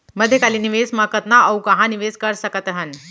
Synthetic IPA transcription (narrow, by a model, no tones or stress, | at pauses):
məd̪ʱːjekaliːniʋesməkət̪naəwkãɦãniʋeskəɾsəkət̪əɦən